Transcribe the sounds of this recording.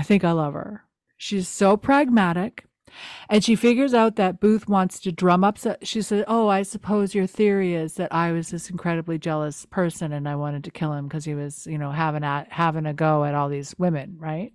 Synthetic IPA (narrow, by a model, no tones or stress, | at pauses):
aɪθɪ̃ŋkaɪlʌv̥ə̰˞ | ʃiz̥soʊpʰɹ̥æɡ̚mæɾɪk | ɨ̃nʃifɪɡjə˞zaʊt̪̚ðɨt̚b̥ʉθwɑ̃ntstʰɨdɹʌ̃mʌpsʌʃisɛzoʊaɪsɨpʰoʊzjə˞θɪɹiɪzðɨɾʔaɪwʌzðɪsn̩kʰɹ̥ɛɾɨblid͡ʒɛlˠəspʰɜ˞sɨ̃nɨ̃naɪwɑ̃ɾ̃ɨd̚tʰɨkʰɪlˠɨ̃mkʰʌz̥hiwʌz̥jɨnoʊɦævɪ̃ŋət̚hævɪ̃ŋɨɡoʊɨɾɔlˠðizwɪ̃mɨ̃nɹaɪt̚